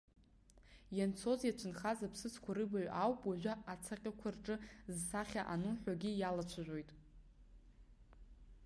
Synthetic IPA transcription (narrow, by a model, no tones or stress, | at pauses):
jant͡sʰo̞zjat͡ʃʷʰɨnχazapʰsɨt͡sʰkʷʰaɾɨbaɥʷʔawpʼwaʒᶣʷaat͡sʰaqʲʼɪkʷʰarʈ͡ʂʼɨzsaχʲaʔanuħʷᶣaɡʲijalat͡ʃʷʰaʒʷᶣojtʼ